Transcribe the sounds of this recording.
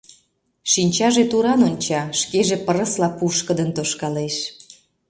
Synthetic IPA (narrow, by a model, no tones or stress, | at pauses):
ʃinʲt͡ɕɑʒet̪uɾɑnonʲt͡ɕɑʃkeʒepəɾə̆slɑpuʃkəd̪ənt̪oʃkɑleʃ